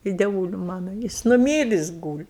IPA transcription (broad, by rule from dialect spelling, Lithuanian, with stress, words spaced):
ɪ dʲɛˈʋuːlʲɪ ˈmɑːnoː ˈjɪs nʊˈmʲiːrʲɪs ˈɡuːlʲɪ